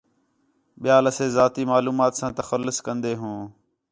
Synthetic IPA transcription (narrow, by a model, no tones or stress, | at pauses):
ɓɪjaːləseːzaːt̪iːmaːluːmaːt̪sãːt̪əxəlːʊskənd̪eːɦũː